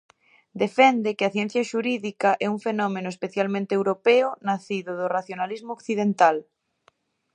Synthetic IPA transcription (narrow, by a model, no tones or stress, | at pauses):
d̪efɛnd̪ekɪaθjɛn̟θjɐʃuɾiðikaʔɛuŋfenɔmenʊespeθjalmẽnt̪eewɾopɛʊnaθiðʊðʊraθjonalizmookθiðent̪al